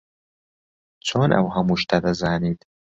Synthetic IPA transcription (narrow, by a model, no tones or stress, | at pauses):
t͡sʰoːnʔɐ̰whɐmuːʃt̪ʰad̪ɐzaːniːt̪